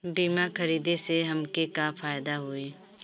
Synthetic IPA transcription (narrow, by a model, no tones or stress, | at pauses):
biːmaxɐɾiːd̪eseɦɐmkekafaːjd̪aɦoeː